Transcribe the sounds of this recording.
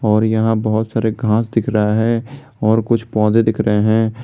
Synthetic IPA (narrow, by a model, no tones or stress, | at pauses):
ɔːɾjɐɦãbəɦʊt̪saːɾeɡʱãːsd̪ɪkʰɾəaɦɛ̃ | ɔːɾkʊt͡ʃʰpɔ̃ːd̪ed̪ɪkʰɾɐɦeɦɛ̃ː